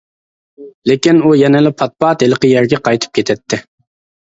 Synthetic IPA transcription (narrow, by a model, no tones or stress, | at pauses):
lɪkʲinujɛnɪlɪpʰɑt̪̚pɑt̪elˠəqəjɛɾɡʲɛqʰɑjt̪ʰɨ̥p̚kʰʲet̪ʰɛt̪ʰːɪ